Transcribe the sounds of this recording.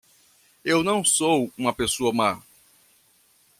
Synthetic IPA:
ewnɐ̃w̃sowũmɐpesoɐma

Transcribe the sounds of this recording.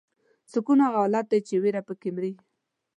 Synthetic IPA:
sʊkunaɣawlat̪̚d̪ajt͡ʃeweɾapəkɪmɾi

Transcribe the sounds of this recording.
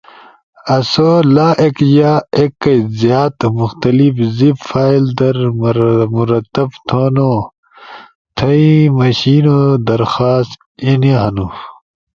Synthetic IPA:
ɐsolaːʔekjaːekːɐzijaːt̪muxt̪ɐlifzibfaːild̪ɐɾ | muɾɐt̪ːɐbt̪ʰoːnoː | t̪ʰɐimɐɕiːnod̪ɐɾxaːst̪ | eniɦɐnuf

